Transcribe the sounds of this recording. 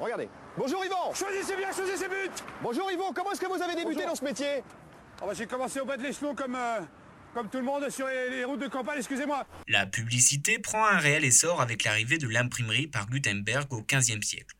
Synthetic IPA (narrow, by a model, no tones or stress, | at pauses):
ʁəɡaʁd̪ḛ | bɔ̃ʒuʁivɑ̃ʃwazisebjɛ̃ʃwazisebyt̪bɔ̃ʒuʁivɑ̃kɔmɑ̃ɛskəvuzaved̪ebyed̪ɑ̃səmet̪je | ɔ̰̃bãʒekɔmɑ̃seobad̪leslɔ̃kɔmø | kɔmt̪ulmɔ̃d̪syʁleleʁut̪̚d̪əkɑ̃p̬aɲɛkskʲyzemwalapyblisit̪epχɑ̃ɛ̃ʁeɛlesɔʁavɛklaʁived̪əlɛ̃pχimʁipaʁɡyt̪ɛ̃nbɛʁɡokʲɛ̃zjɛmsjɛ̰kl